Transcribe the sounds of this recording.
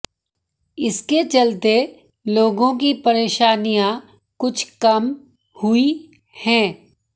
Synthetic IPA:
ɪsket͡ʃɐlt̪e | loːɡõk̬ipɐɾeːʃaːnijã | kʊt͡ʃʰkɐm | hʊi | hɛ̃ː

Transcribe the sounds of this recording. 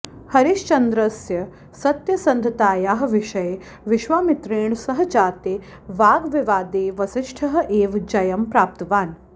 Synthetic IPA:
hɐɾiʃt͡ʃɐnd̪ɾɐsjɐ | sɐt̪jɐsɐnd̪ʱɐt̪aːjaːɦʋɪʃɐje | ʋɪʃʋaːmit̪ɾeːɳsɐɦɐ̆t͡ʃaːt̪eː | ʋaːɡʋiʋaːd̪eːʋɐsɪʃʈʰɐɦɐ̆ʔeːʋd͡ʒɐjɐmpɾaːp̚t̪ɐʋaːn

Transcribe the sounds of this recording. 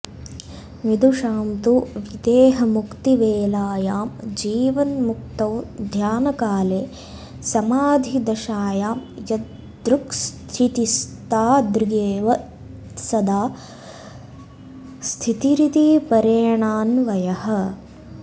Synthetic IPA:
ʋid̪ʱuʂaːmt̪uʋid̪eːɦɐmukt̪iʋeːlaːjaːmd͡ʒiːʋɐnmuk̚t̪ɐwd̪ʱjaːnɐkaːleː | sɐmaːd̪ʱid̪ɐʃaːjaːmjɐ | d̪ɾukst̪ʰit̪ist̪aːd̪ɾiɡeːʋɐ | sɐd̪aː | st̪ʰit̪iɾit̪ipɐɾejɐɳaːnʋɐjɐhɐ̆

